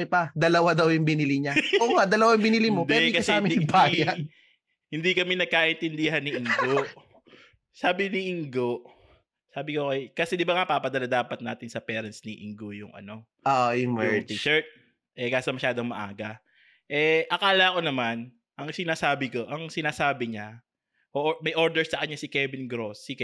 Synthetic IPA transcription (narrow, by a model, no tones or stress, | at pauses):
ɪpɐd̪ɐlɐwad̪ɐwjʊŋbɪnɪlɪɲaoːŋaʔd̪ɐlɐwajŋbɪnɪlɪmopd̪wɛd̪kɐsɛamɪbaːjɐ | hɪnd̪ikɐmɛnɐɡ̚kaːʔɛnt̪ɪnd̪ɪɦɐnːɪʔɪŋɡoʔ | saːbɪnɪʔɪŋɡoʔ | saːbɪkokɐjkɐsɛd̪ɪbaŋapaːpɐd̪ɐlad̪aːpɐt̪naːt̪ɪnsɐpɛːɾɐnsnɪʔɪ̰ŋɡojʊŋɐ̰no̞ | oʔjmt̪iʃɛɹt̪̚ | ʔɛkaːsɐmɐʃaːd̪oŋmɐʔa̰ːɡɐ | ʔɛʔɐkaːlɐɐko̞nɐman | ʔɐŋsɪnaːsaːbɪko̞ʔɐŋsɪnaːsaːbɪɲa | ʔoʔmɐjʔo̞ɹd̪ɛɹsɐkɐɲːasɪkɛvɪnɡɾosːɪkɛ